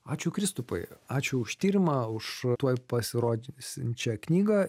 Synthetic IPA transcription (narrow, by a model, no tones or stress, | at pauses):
ɑːt͡ʃʲʊkɾʲɪst̪ʊpɐ̰ɪɑːt͡ʃʲʊʊʃt̪ʲiːɾʲɪmɐːʊʃt̪uɔjpɐsʲɪɾoːd̪ʲɪnʲsɪnʲt͡ʃʲɛknʲiːɡɐ